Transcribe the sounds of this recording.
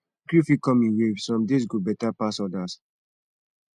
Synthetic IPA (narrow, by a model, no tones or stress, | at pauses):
kjufikɔ̃mĩnwevsɹɔ̃mdis̬ɡobɛtapasɔdas